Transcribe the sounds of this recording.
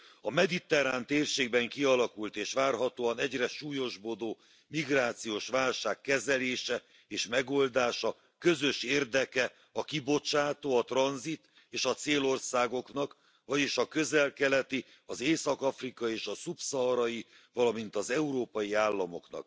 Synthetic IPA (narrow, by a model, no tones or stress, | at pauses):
ɒmɛd̪it̪ɛɾaːnt̪eːrʃeːɡ̚bɛŋkiɒlɒkult̪eːʃʋaːrɦɒt̪oːɒnɛɟrɛʃuːjo̞ʒbod̪oː | miɡraːt̪sijoːʃʋaːlʃaːkːɛzɛleːʃɛ | eːʃmɛɡo̞ld̪aːʃɒ | kø̞zø̞ʃeːrd̪ɛkɛ | ɒkibo̞t͡ʃaːt̪oːɒt̪rɒnzit̪ | eːʃɒt̪seːlo̞rsaːɡo̞knɒk | vɒɟeːʃɒkøzɛlkɛlɛt̪i | ɒzeːsɒkɒfrikɒieːʃɒsupsɒɦɒɾɒji | vɒlɒmint̪ɒzɛuɾoːpɒjiaːlːɒmo̞̰knɒ̰k̚